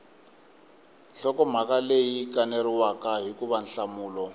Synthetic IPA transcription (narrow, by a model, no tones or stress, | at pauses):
ɬɔkɔm̤akalejikʼaneɾiwakaɦikuβan̩ɬamuːlɔ